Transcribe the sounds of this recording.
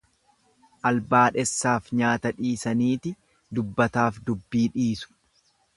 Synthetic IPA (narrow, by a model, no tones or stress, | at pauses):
ʔɐlbaːᶑɛsːaːfɲaːt̪ɐᶑiːsɐniːt̪ɪ | d̪ʊbːɐt̪aːfd̪ʊbːiːᶑiːsʊ̥